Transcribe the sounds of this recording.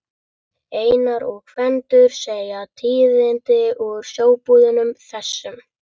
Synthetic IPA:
eːjnaɾɔɣkʰvɛnt̪ʏɾ̥seːjat̪ʰiːðɪnt̪ɪɔɾ̥sjoːwpuːðɪnʏmθɛsːʏm

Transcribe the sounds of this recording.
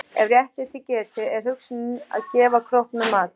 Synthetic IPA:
ɛvrjɛht̪ɪt̪ʰɪlcɛːt̪ɪɛɾ̥ɦʏksʏnʏna̰ðcɛːvakʰɾɔhpnʏmaːt̪

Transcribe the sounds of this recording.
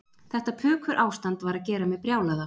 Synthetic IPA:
θɛht̪apʰʏːkʰʏɾʔaːwst̪ant̪vaɾaðcɛːɾamɛðpɾjaːwlaða

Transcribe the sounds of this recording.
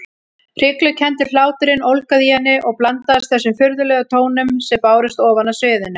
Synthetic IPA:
r̥ɪklʏcʰɛnt̪ɪlaːwt̪ʏɾɪnowlkaðɪhɛnːɪʔɔɣplant̪ast̪θɛsːʏmfʏɾðʏlœːɣat̪ʰoːwnʏmsɛmpaːwɾɪst̪ɔːvanasœːðɪna

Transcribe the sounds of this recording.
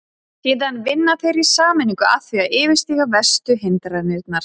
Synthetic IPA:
siːðanvɪnːaθejɾisaːmɪniŋkʏaθviaɪːvɪst̪iɣavɛst̪ʏɦɪnt̪aɾanɪt̪̚naɾ̥

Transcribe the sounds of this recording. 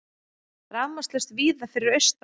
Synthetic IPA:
ɾamast̪lɛst̪viːðafɪɾɪɾœɥst̪

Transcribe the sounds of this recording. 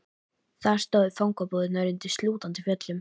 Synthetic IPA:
θaɾ̥st̪ɔːwðʏfawŋkapɔðɪnaɾɪnt̪ɪst̪luːt̪ant̪ɪfjœt̪lʏm

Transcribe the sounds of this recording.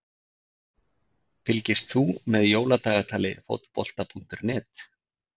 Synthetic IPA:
fɪlcɪst̪θumɛðjoːwlat̪aːɣat̪ʰaːlɪ̰fo̰wt̪pɔl̥t̪apʰun̥t̪ʏɾnɛːt̪

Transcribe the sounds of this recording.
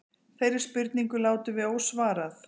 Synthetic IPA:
θejɾɪɾ̥spʏɾt̪niŋkʏlaːwt̪ɪvɪðowsvaːɾaθ

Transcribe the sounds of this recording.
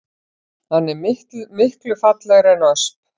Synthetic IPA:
hanːɛɾmɪhmɪhklʏfat̪lɛɣɾɛnaœsp̚

